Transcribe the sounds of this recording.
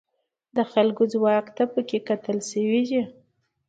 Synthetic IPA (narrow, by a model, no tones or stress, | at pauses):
d̪əxalɡozwɑkt̪apəkekat̪əlʃəwid͡ʒi